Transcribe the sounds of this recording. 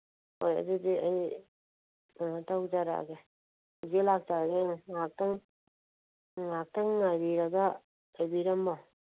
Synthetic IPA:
ojɐ̰dudiaj | tawd͡ʒaɾa̰ɡe | ɡelak̚taɡeŋak̚taŋ | ŋak̚taŋːajbiɾaɡa | ajbiɾɐmbaw

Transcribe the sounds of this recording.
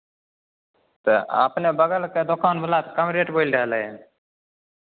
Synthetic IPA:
t̪eːa̰ːpneːbəɡəlkeːd̪ʊkaːnbəlaːt̪kəmɾeːʈboːilɖaːləeː

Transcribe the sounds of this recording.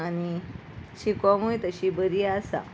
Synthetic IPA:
añi | ɕikʋamuit̪əɕibəɾiasa̰

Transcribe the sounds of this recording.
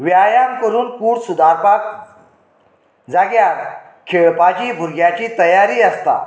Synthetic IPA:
ʋjajamkəɾuːnkuːɽsud̪aɾpak | d͡zaɡjaɾ | kʰəbad͡ʑibʱuɾɡjat͡ɕiːt̪əjaɾiast̪a̰

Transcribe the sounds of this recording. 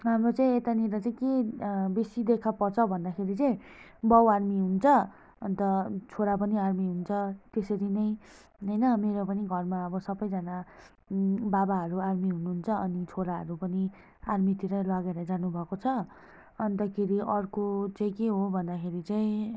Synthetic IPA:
ɦamrot͡saĩet̪aniɾʌt͡saĩkebisid̪ekʰapʌrt͡sʰʌbʱʌnd̪akʰeɾit͡saĩ | bʌwarmiɦunt͡sʰʌ | ʌnt̪ʌt͡sʰoɾap̬ʌniarmiɦunt͡sʰʌt̪esʌɾinʌj | ɦʌjnʌmeɾopʌniɡʱʌrmaʌbʌsʌbʌjd͡zʌna | babaɦʌɾuarmiɦunuɦunt͡sʰʌʌnit͡sʰoɾaɦʌ̰ɾupʌni | armit̪iɾʌlʌɡeɾʌd͡zanubʱʌkot͡sʰʌ | ʌnt̪ʌkʰeɾiʔʌrkot͡saĩkeɦobʱʌnd̪akʰeɾit͡saĩ

